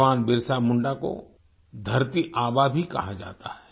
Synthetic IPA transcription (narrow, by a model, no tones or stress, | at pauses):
aːnbɪɾsamʊ̃ɳɖako̰ | d̪ʱɐɾt̪iʔaːbabʱikɐ̰ɦad͡ʒa̰ːt̪aɦɛː